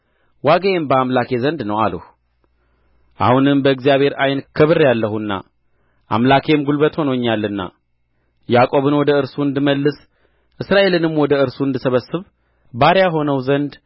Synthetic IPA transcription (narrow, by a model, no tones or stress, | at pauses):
waɡəjembəamlakʰe̞zənd̪nəwalṵh | ʔa̰hunɨmbəɨɡzijaβhe̞ɾʔajnkʰəβɨrːjalːəɦunːa̰ | ʔa̰mlakʰe̞mɡulbət̪ho̞nəɲːalːɨnːa̰ | jakʼo̞βɨnwɔd̪əɨɾsuɨnd̪ɨməlːɨs | ʔɨsɾaʔe̞lɨnɨmwɔd̪əɨɾsuɨnd̪ɨsəβəsɨβ | baɾjaɦo̞nəwzənd̪